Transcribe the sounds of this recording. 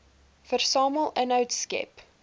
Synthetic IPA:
fərsɑːməlˠənœwtskɛ̰p

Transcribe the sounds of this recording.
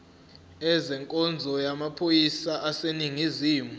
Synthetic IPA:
ɛzɛŋkʼɔnd͡zʱɔjamapʰojisaʔaseniŋiziːmu

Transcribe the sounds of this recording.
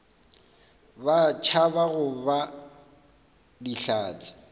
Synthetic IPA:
bat͡ʃʰabaɣʊba | diɬaːt͡sʼɪ̥

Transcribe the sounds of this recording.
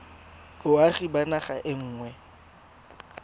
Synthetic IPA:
ʊaχibanaχa̰ʔɪŋ̩ːŋwɛ

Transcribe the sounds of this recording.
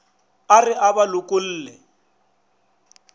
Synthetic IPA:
arɪʔabalʊkʼʊl̩ːlɛ

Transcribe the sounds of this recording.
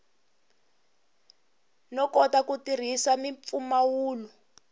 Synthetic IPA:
nɔkɔtakutir̤isamifumawuːlu

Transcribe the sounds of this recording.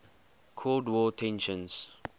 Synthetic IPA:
kʰɔldwɔtʰɛ̃nʃə̃ns

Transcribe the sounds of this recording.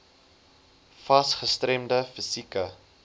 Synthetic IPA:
fɐsχəstrɛmdəfəsikə

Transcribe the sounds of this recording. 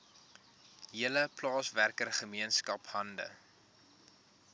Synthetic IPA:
ɦiələplɑːsværkərχəmiənskɐphɐndə̰

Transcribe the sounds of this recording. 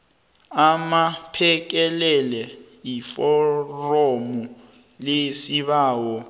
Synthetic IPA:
amapʰɛk̬ɛlɛlɛ | jifɔromu | lesiβaːwɔ

